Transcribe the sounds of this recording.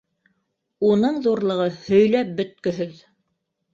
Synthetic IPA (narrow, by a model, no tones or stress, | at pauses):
unɤɴðuɾlˠɤ̆ʁɤhɵ̆jlæp̚bɵ̆t̪̚kɵ̆ɦɵð